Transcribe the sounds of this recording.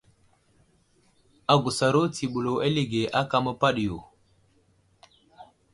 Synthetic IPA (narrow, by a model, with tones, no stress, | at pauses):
a˨ɡu˨sa˨ɾo˦ti˨ɓu˨lo˨a˦li˦ɡe˨ʔa˦ka˦mə˦pa˦ɗjo˨